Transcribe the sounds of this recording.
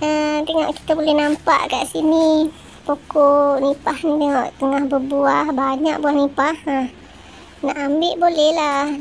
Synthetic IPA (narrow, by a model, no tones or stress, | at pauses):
ədəŋɔʔki̥t̪abolɛhnampa̰ʔka̰ʔsini | pokonipahnid̪əŋɔʔt̪əŋahbəbuahbaɲaʔ̚buahnipahə | naʔambɪʔbolɛhla